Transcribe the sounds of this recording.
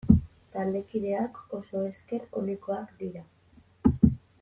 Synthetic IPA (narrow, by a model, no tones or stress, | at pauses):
t̪ald̪e̞kiðe̞ako̞so̞e̞ske̞ɾo̞liko̞akd̪iɾa